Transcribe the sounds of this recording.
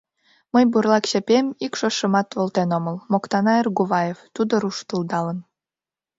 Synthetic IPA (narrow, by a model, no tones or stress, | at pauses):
məjburlɑkɕepʲemikʃoʃə̆mɑt̪βolt̪enoməlmokt̪ɑnɑerɡuβɑjeft̪ud̪oɾuʃt̪ulˠd̪ɑlən